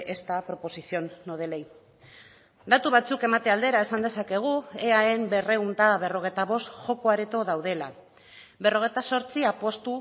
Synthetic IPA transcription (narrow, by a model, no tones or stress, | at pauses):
ʔe̞st̪apɾo̞po̞sisio̞nːoð̞e̞le̞j | d̪at̪uβat͡suke̞mat̪eald̪e̞ɾae̞sand̪e̞sake̞ɣ̞ue̞ae̞mbe̞re̞unt̪aβ̞e̞ro̞ɣ̞ejt̪aβ̞o̞st̪xo̞ko̞aɾet̪o̞ðawðe̞la | βe̞ro̞ɣ̞e̞jt̪aso̞ɾt͡siapwo̞st̪u